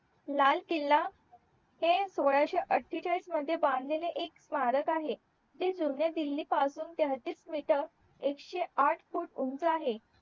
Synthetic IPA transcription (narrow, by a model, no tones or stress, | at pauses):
lalkilːa | hesoɭaɕeʔəʈʰːit͡ɕaiːsməd̪ʱːjebãnd̪ʱleleʔeksmaɾəkaɦe | d͡ʑid͡zunjad̪ilːiːpasuːnt̪eɦət̪iːsmiʈəɾ | ekɕeaʈʰfuːʈunt͡saɦe